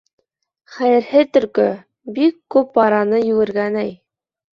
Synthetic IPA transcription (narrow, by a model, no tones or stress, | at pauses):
χæjɘ̆ɾhɘt̪ɵ̆ɾkɵ | bikːʉp̚bɑɾɑnɤjɵ̆ɡɘ̆ɾɡænæj